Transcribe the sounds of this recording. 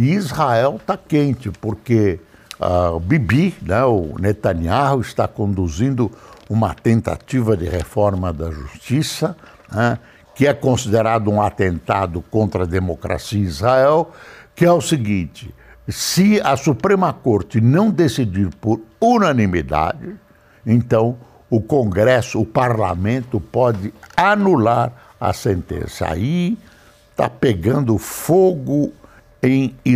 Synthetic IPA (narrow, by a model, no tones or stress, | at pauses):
ɪizhaɛwt̪akẽnt͡ʃɪpoɾke | a̰bibinɛ̃ʊnet̪ɐniaɦʊɪst̪akõnd̪uzĩnd̪ʊũmɐ̰t̪ẽnt̪a̰t͡ʃivɐd̪ɪʁefɔɾmɐd̪ɐʒṵst͡ʃisɐ | nɛ | kɪɛkõsid̪eɾad̪ʊũat̪ẽnt̪ad̪ʊkõnt̪ɾɐd̪emokɾa̰siɐizhaɛwkɪɛʊsɪɡĩt͡ʃɪsɪɐsupɾẽmɐkoɾt͡ʃɪnɐ̃w̃d̪esid͡ʒiɾpoɾunɐ̃nimid̪a̰d͡ʒɪ | ẽnt̪ɐ̃w̃ | ʊkõɡɾɛsʊːpaɾla̰mẽnt̪ʊpɔd͡ʒɪanulaɾ | ɐ̰sẽnt̪ḛ̃sɐa̰i | t̪a̰peɡɐ̃nd̪ʊfoɡʊ | ẽj̃